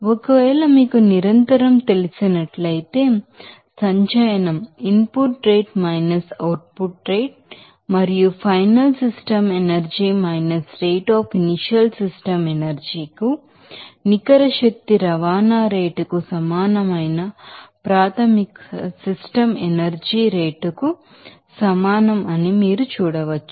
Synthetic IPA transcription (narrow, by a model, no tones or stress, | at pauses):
okɐʋɛːlɐmiːkuniɾɐnt̪ɐɾɐmt̪e̞lisinɐʈlɐjt̪e̞ː | sɐɲt͡ʃɐjɐnɐmimpuʈɾeːʈmɐjnɐsɐwʈ̚puʈɾeːʈ̚ | mɐɾijupʰɐjnɐlsisʈɐmenɐɾd͡ʒiːmɐjnɐsɾeːʈaːpʰiniʃiɐlsisʈɐmenɐɾd͡ʒiːku | nikɐɾɐʃɐk̚t̪iɾɐʋaːnaːɾeːʈukusɐmaːnɐmɐjnɐpɾaːt̪ʰɐmiksisʈɐmenɐɾd͡ʒiːɾeːʈuku | sɐmaːnɐmɐnimiːɾut͡ʃuːɽɐʋɐt͡ʃːu̥